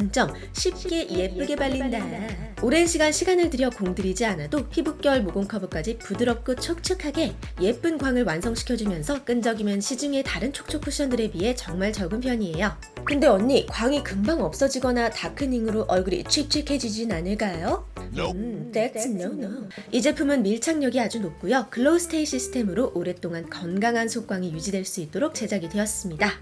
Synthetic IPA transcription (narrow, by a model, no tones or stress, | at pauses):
aŋt͡ɕ͈ʌm | ɕʰip̚k͈e̞je̞p͈ɯɡe̞baʎːindaoɾe̞nɕʰiɡanɕʰiɡanɯɭtɯɾjʌkoŋdɯɾid͡ʑianadopʰibuk̚k͈jʌɭmoɡoŋkʰabuk͈ad͡ʑipudɯɾʌk͈ɯt͡ɕʰʌk̚t͡ɕʰɯkʰaɡe̞je̞p͈ɯnɡwaŋɯɭwansʰʌŋɕʰi̥kʰjʌd͡ʑumjʌnsʰʌk͈ɯnd͡ʑʌɡimjʌnɕʰid͡ʑɯŋe̞taɾɯnt͡ɕʰo̥k̚t͡ɕʰokʰːuɕ͈ʰʌndɯɾe̞piɦe̞t͡ɕʌŋmaɭt͡ɕʌɡɯnpʰjʌɲie̞jo | kɯnde̞ʌɲːikwaŋikɯmbaŋʌp̚s͈ʌd͡ʑiɡʌnatakʰɯniŋɯɾoʔʌɭɡuɾiḭt͡ɕʰit͡ɕʰikʰe̞d͡ʑid͡ʑinnanɯɭk͈ajo | oid͡ʑe̞pʰumɯnmiɭt͡ɕʰaŋɲʌɡiad͡ʑunop̚k͈ujokɯɭːosʰɯ̥tʰeiɕ͈ʰisʰɯ̥tʰe̞mɯɾoʔoɾe̞t͈oŋankʌnɡaŋɦansʰok͈waŋijud͡ʑidwe̞ɭs͈uit̚t͈oɾok̚t͡ɕ͈e̞d͡ʑaɡidwe̞jʌs͈ɯmɲida